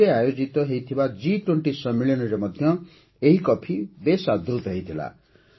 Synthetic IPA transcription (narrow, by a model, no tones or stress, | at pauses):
eajod͡zit̪ʌɦejt̪ʰibad͡ziʈweɳʈisʌmːiljʌnʌɾemʌd̪ʱjʌ | eɦikʌpʰibesad̪ʱult̪ɦejt̪ʰila̰